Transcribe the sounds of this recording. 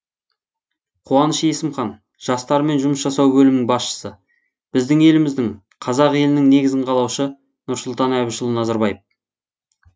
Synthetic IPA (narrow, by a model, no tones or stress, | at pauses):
qʰuɑnəʃje̞sɪmχɑn | ʒ̥ɑst̪ɑɾəme̞nʒʊməsʒɑsɑwbɵlɪmnɪŋbɑsʃə̥sə | b̥ɪzd̪ɪŋe̞lɪmɪzd̪ɪŋ | qʰɑzɑqe̞lɪnɪŋne̞ɡʲɪzɪɴqʰɑlˠɑwʃə | nʊɾsʊlˠt̪ɑnæβɪʃəlˠənɑzɑɾbɑjəf